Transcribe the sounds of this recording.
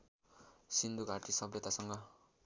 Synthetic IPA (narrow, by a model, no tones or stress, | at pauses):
sind̪uɡʱaʈisʌbjet̪asʌŋɡʌ